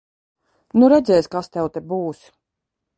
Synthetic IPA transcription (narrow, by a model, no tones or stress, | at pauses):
nuɾɛd̪zʲɛːsʲkast̪ɛwt̪ɛbuːs